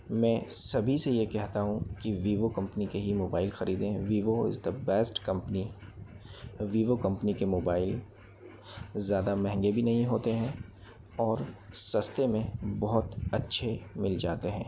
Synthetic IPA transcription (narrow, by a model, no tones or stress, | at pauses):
mɛ̃ːsɐbʱisejekɛɦt̪aɦũkiʋiːʋokɐ̃mpnikeɦimoːbaːɪlxɐɾiːd̪ẽɦɛ̃ʋiːʋoɪ̰zd̪əbɛːsʈkɐ̃mpəni | ʋiːʋokɐ̃mpnikemoːbaːɪl | zjaːd̪amɛ̃ɦɛ̃ŋɡebʱinɐɦĩɦoːt̪eɦɛ̃ | ɔːɾ | sɐst̪emẽbɔɦʊt̪ɐtːʃʰemɪld͡ʒaːt̪eɦɛ̃ː